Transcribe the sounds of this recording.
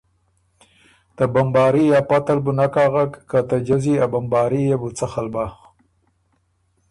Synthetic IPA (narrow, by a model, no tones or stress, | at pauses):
t̪abambɑːɾijapat̪albunakaɣakkat̪ad͡ʒaziabambɑːɾijabut͡saxalbax